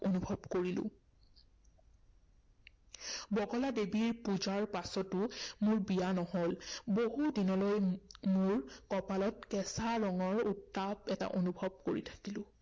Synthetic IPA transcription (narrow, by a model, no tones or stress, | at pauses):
onubʱɔbkoɹilʊ̰̃ | bɔɡɔladebiɹpuzaɹpasɔtʊmʊɹbijanɔɦolboɦudinɔlojmʊɹkɔpalɔtkɛsaɹɔŋɔɹutːabɛta̰ʔonubʱɔb̚koɹḭtʰḁkilʊ̃